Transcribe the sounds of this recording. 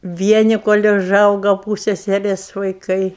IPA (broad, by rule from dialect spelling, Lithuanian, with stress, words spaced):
ˈʋʲiɛnʲɪ koːlʲ ʊˈʒɐʊɡɐ ˈpuːsʲɛsʲɛrʲeːs ʋɐɪˈkɐɪ